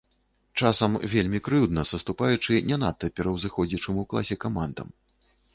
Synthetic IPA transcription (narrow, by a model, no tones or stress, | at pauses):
t͡ʂasɐmvʲelʲmʲikɾɨd̪nɐsɐst̪upajut͡ʂɨnʲɛnat̪ːɐpʲɛɾɐwzɨxɔd͡zʲit͡ʂɨmwklˠa̰sʲɛkamand̪ɐ̰m